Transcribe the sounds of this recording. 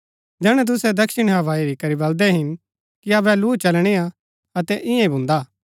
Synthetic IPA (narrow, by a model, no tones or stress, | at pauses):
d͡ʒɛːɽ̃ɛ̃t̪̬ʊsɛd̪ɐkʃɪɽ̃ɦɐʋaːiɾikɐɾibɐld̪ɛɦɪn | kiɐːbɛluːt͡ʃɐlɽ̃ea | ɐt̪ɛʔɪjãĩbʊ̃nd̪aː